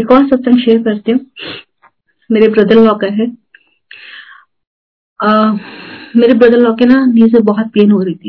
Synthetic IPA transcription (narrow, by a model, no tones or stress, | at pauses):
ɪkɔːsɐtsɐ̃ŋʃeːɾkɐɾt̪eɦũ | meːɾebɾɐd̪əlːɔːkɐɦɛ | meːɾebɾɐd̪əlːɔːkenaniːzebɔɦɔt̪̚peːnɦoːɾɐit̪ʰi